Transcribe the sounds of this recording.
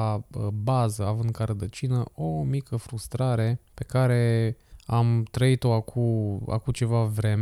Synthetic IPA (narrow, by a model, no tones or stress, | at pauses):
aəbazəavɨnd̪̚kaɾəd̪ət͡ʃinəʔomikəfɾust̪ɾaɾe̞pe̞kaɾe̞amt̪ɾəit̪o̞akʰua̰kut͡ʃe̞vavɾe̞m